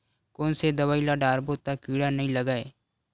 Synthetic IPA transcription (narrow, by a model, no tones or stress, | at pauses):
koːnsed̪əʋaːilaɖaːɾbot̪akiːɽanɐɦĩləɡaːeː